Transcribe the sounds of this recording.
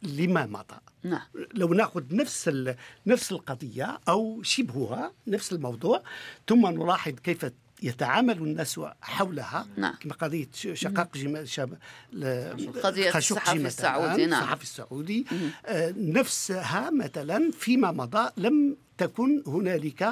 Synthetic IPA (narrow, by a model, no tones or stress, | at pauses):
ləmæmɑ̰d̪̥ˤɑ̰ | ləwnæxʊd̪nəfsnəfsəlqɑd̪ˤəjːaʔəwʃəbhʊhænəfsəlmɑwd̪ˤuːʕt̪ʊmːanʊɾˤɑħəd̪ˤkəfæ | jət̪aʕamælunːæswħawlhæ̰kmqɑd̪ˤəjːəʃɑqɑqʒmʃ | xæʃuqimæt̪ːsːɑ̰ħɑfisːʊʕud̪i | nəfshæmæt̪ælænfimæmɑd̪ˤɑləmt̪ækʊnhʊnælək